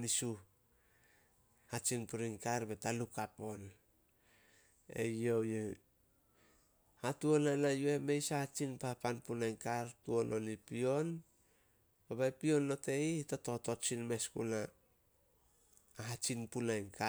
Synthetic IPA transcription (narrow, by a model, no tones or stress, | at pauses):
nisu | hat͡ʃinpuɾinkaɾbe̞talukapo̞n | e̞̰jo̞wje | hatuonanajueme̞jsahat͡ʃinpapanpunajnkaɾtuo̞nʔo̞nipio̞n | baβajpio̞nlo̞te̞itoto̞to̞t͡ʃinme̞skṵna | ɦat͡ʃinpunajnka